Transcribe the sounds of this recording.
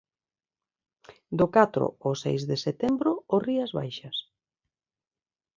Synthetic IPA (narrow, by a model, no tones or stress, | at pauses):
d̪ʊkat̪ɾʊ̰osḛjzðeset̪embɾʊoriɐzβa̰jʃɐs